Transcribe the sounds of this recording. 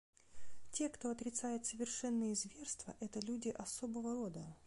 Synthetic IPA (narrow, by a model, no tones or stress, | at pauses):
tʲe̞kt̪o̞ɐt̪ɾʲɪt̪sajɪt̪səvʲɪrʂɛnːəjəzvʲe̞rst̪və̰ʔɛt̪əlʲudʲɪʔɐsobəvəɾo̞d̪ə